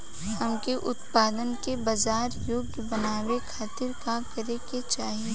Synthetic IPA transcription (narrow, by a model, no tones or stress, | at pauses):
hɐmkeʔʊt̪paːd̪ənkebɐzaːɾjoːɡjbɐnaːwekʰaːt̪ɪɾkakɐɾeket͡ʃaːɦiẽ